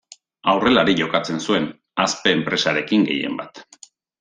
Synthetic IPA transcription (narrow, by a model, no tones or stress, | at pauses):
awre̞laɾiʝo̞kat͡se̞nsue̞n | aspe̞ːmpɾe̞saɾe̞kiŋɡe̞̰je̞̰mbat̪